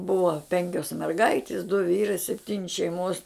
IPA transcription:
ˈbʊɐ ˈpʲɛŋʲkʲoːs mʲɛrˈɡɐɪtʲɪs dʊ ˈʋʲiːrɐɪ sʲɛpʲˈtʲiːnʲɪ ʃʲɛɪˈmoːs

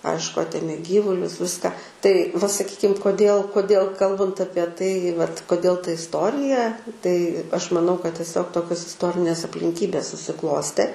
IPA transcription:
ˈɐɪʃkʊ ˈɑːtʲeːmʲeː ˈɡʲiːʋʊlʲʊs ˈʋʲɪskɑː tɐɪ ʋɐ sɐˈkʲiːkʲɪm koːˈdʲeːlˠ koːˈdʲeːlˠ ˈkɐlˠbɐnt ˈɑːpʲiɛ tɐɪ ʋɐt koːˈdʲeːlˠ tɐ ɪsˈtoːrʲɪjɛ tɐɪ ɐʃ mɐˈnɐʊ kɐt tʲiɛˈsʲoːk ˈtoːkʲoːs ɪsˈtoːrʲɪnʲeːs ɐpʲlʲɪŋʲˈkʲiːbʲeːs sʊsʲɪˈklˠoːsʲtʲeː

